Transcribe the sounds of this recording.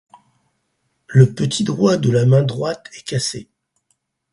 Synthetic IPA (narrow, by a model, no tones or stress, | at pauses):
ləpət̪ʰid̪ʁwad̪əlamɛ̃d̪ʁwat̪ɛkʲase